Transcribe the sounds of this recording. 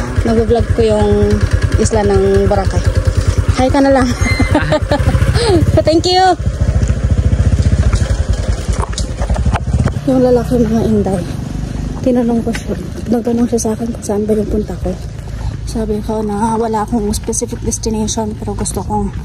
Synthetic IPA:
nɐɡbɐblaɡ̚kojʊŋʔɪslanɐŋbɐɾakajhajkɐnɐlɐŋ | t̪ɛŋkju | jʊŋlɐlaːkiɪŋmɐŋaʔɪnd̪aj | t̪ɪnɐnoŋko | t̪ɪnɐɡ̚t̪ɐnoŋʃasʔaːkɛnkʊsaʔanbajʊŋpʊnt̪ɐko | saːbɪkonɐwɐlaʔkoŋspɛsifɪk̚d̪ɛst̪ɪnɛjʃonpɛːɾoɡʊst̪oko̞

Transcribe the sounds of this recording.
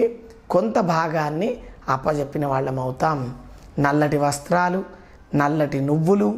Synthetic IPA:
kont̪ɐbʱaːɡaːnːiɐpːɐt͡ʃe̞pːinɐʋaːɭːɐmɐwut̪aːm | nɐlːɐʈiʋɐst̪ɾaːlu | nɐlːɐʈinuʋːulu

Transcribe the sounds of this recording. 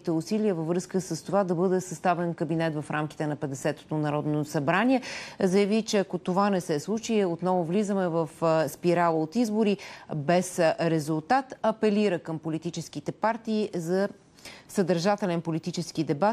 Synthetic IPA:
it̪ɛusiliəvəvɾɤskəsəst̪ovad̪ɐbɤd̪ɛsɐst̪avɛnkəbinɛt̪vɐfɾamk̟i̥t̪ɛnɐpɛd̪ɛsɛt̪o̥t̪onɐɾɔd̪nosɐbɾaniɛzəjəvit͡ʃɛɐkot̪ovanɛsɛslˠut͡ʃiot̪nɔvovlizəmɛvəfspiɾalˠəot̪izboɾibɛsɾɛzulˠt̪at̪ɐpɛliɾəkəmpolit̪it͡ʃɛskit̪ɛpaɾt̪iːzɐ | səd̪əɾʒat̪ɛlɛnpolit̪it͡ʃɛsk̟id̪ɛba

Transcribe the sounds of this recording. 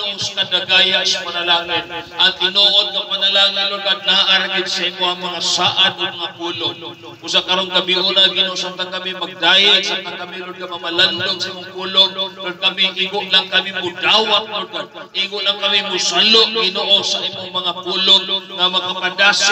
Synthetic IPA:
ʊst̪ad̪ɐɡaːjaʔsɐpɐnɐlaːŋɪnʔɐt̪ɪnoʔot̪̚kɐpɐnɐlaːŋɪnlʊɡad̪̚nɐhaʔaɾaɡɪd̪sɐʔimoaŋmɐŋasaːʔad̪oɡ̚mɐŋapuːloŋ | ʊsakɐɾonkɐmɪʔunaɡɪnoʔosant̪akɐmɪmɐɡ̚d̪aːjɪlsant̪akɐmɪɾʊd̚ɡamɐmɐland̪oŋsɐʔimoŋpuːloŋkɐɡ̚kɐmɪʔɪɡʊʔlaŋkɐmɪmʊd̪aːwat̪̚lʊɡa | ʔɪɡʊʔlaŋkɐmɪmʊsʊlʊʔɡɪnoʔosɐʔimoŋmɐŋapuːloŋnɐmɐkapad̪as

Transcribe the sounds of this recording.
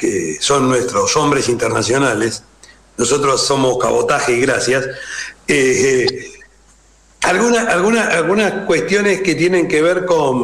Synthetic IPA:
keso̞nːwest̪ɾoso̞mbɾe̞sint̪eɾnasjo̞nales | noso̞t̪ɾosːo̞mo̞ska̰βot̪axeiɣɾasjase | alɣunaʔalɣunaʔalɣunaskwe̞st̪jo̞ne̞sket̪jene̞ŋkeβeɾko̞n

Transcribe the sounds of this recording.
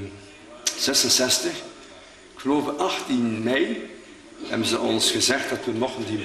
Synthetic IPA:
z̥ɛsənsɛstəx | kxəloːvəʔɑxtinmɛj | hɛbənzəɔnsxəzɛxt̚dɑtʋənɔxəndi

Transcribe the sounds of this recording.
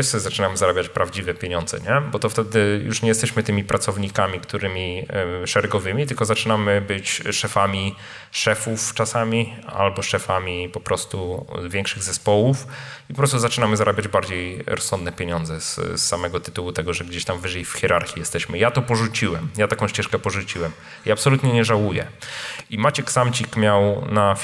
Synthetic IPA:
ɛssɔzat͡ʂɘnamɘzaɾabʲjat͡ɕpɾavd͡ʑivɛpʲjeɲɔnzɛ̰ɲɛbɔt̪ɔft̪ɛd̪ɘjṵʂɲɛjɛst̪ɛɕmɘt̪ɘmʲipɾʔat̪sɔvɲikamʲikt̪uɾɘmʲiʂɛɾɛɡɔvɘmʲit̪ɘlkɔzat͡ʂɘnamɘbɘt͡ɕʂɛfamʲi | ʂɛfuft͡ʂasamʲia̰lbɔʂɛfamʲipɔpɾɔst̪uzvʲjɛŋkʂɘɣzɛspɔwufipɔpɾɔst̪uzat͡ʂɨnamɘzaɾʔabʲad͡ʑbaɾd͡ʑejɾɔsːɔnd̪nɛpʲjeɲɔnd̪zɛssːamɛɡɔt̪ɘ̥t̪uwut̪ɛɡɔʐɛɡd͡ʑeɕt̪amvɘʐɛjfxʲjɛɾʔaɾxʲijɛst̪ɛɕmɘjat̪ɔpɔʐut͡ɕiwɛmjat̪akɔ̃w̃ɕt͡ɕɛʂkɛpɔʐut͡ɕiwɛm | iapsɔlut̪ɲɛɲɛʐawujɛ̰imat͡ɕɛksamt͡ɕikmʲjawna

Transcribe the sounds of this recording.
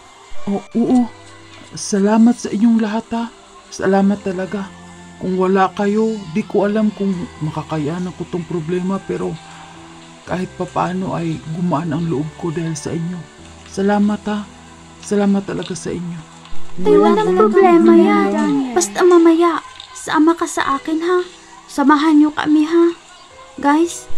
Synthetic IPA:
ʔoʔoːʔo | sɐlaːmɐt̪̚sɐʔɪɲːoŋlɐɦat̪ha | sɐ̰laːmɐt̪ːɐlɐɡa | kʊŋwɐlaʔkɐjo̞d̪ikoʔɐlamkʊŋmɐkɐkajʔanɐkot̪oŋpɾoblɛːmapɛːɾo̞ | kaːhɪt̪̚pɐpɐʔaːno̞ʔɐjɡʊmaʔanɐŋlʊʔob̚kod̪aːhɪlsɐ̰ʔɪɲjo̞ | sɐlaːmɐt̪ha | sɐlaːmɐt̪ːɐlɐɡasɐ̰ʔɪɲjo̞ | ajwɐlaŋpɾoblɛːmajabɐst̪ɐmɐmɐjaʔsɐʔɐmakasɐ̰ʔaːkɪnɦa | sɐmaɦanɲokɐ̰ʔmɪɦa | ɡajs

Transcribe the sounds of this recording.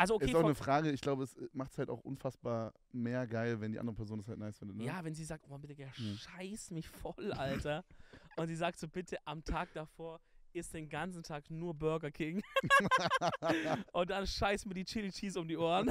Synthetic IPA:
alzooʔɪseːaʊnəfʁ̥aːɡəɪçɡ̥laʊbəɛsmaχtshaltaʊxʔʊ̰nfasb̥aːɐ | meːɐɡaɪlvɛndiʔa̰ndəʁəpʰɛɐzoːndashaltnaɪsfɪndətnəjaːvɛnziːzaːktoabɪtəɡaʃaɪsmɪçfɔlʔaltɐʔʊntz̥iːzaːk̚tz̥oːbɪtʰəʔamtʰaːk̚d̥afoːɐʔɪstd̥eːnɡant͡sn̩tʰaːknuːɐbœɐɡɐkʰɪŋ | ʔʊnt̚d̥anʃaɪsmiːɐdiːt͡ʃɪlt͡ʃiːsʊmdiːʔoːɐən

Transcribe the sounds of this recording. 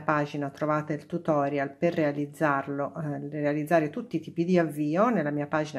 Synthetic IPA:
paːd͡ʒinat̪ɾovaːt̪elt̪ut̪ɔːɾjalperːealid̪zːarlorealid̪zːaːɾet̪ut̪ːit̪iːpid̪iavːiːonelːamiːapaːd͡ʒin

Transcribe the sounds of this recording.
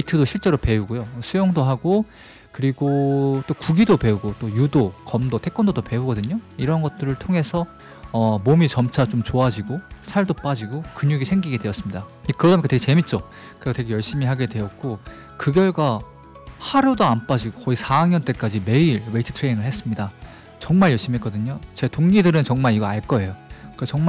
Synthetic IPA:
eitʰɯdoɕʰiɭt͡ɕ͈e̞ɾope̞uɡojosʰujoŋdoɦaɡo | kɯɾiɡot͈okuɡidope̞uɡot͈ojudokʌmdotʰek͈ʌndodope̞uɡʌdɯɲoiɾʌnɡʌt̚t͈ɯɾɯɭtʰoŋɦe̞sʰʌ | ʌmomit͡ɕʌmt͡ɕʰat͡ɕomt͡ɕoad͡ʑiɡosʰaɭdop͈ad͡ʑiɡokuɲuɡisʰeŋɡiɡedwe̞ʌs͈ɯmɲidaikɯɾʌamikateɡet͡ɕe̞mit̚t͡ɕ͈o | kɯɾesʰʌtweɡe̞jʌɭɕ͈imiɦaɡe̞dwe̞ʌt̚k͈o | kɯɡjʌɭɡa | haɾudoanp͈ad͡ʑiɡokʌisʰaŋɲʌnt͈e̞k͈ad͡ʑime̞iɾweitʰɯ̥tʰɾeiŋɯɭhe̞s͈ɯmɲida | t͡ɕʌŋmaɭjʌɭɕ͈imiɦek͈ʌdɯɲot͡ɕe̞toŋːidɯɾɯnt͡ɕʌŋmaɾiɡʌaɭk͈ʌe̞jokat͡ɕʌŋm

